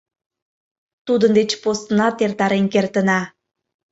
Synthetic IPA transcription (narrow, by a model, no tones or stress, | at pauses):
t̪ud̪ənd̪et͡ɕposnɑt̪ert̪ɑɾenkert̪ə̆nɑ